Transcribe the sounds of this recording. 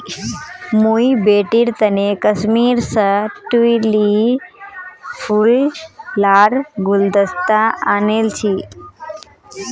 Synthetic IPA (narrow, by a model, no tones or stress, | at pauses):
muibeʈiɾt̪ənekəsmiːɾsəʈuili | fʰulː | aɽɡuld̪əst̪aanelt͡ɕʰi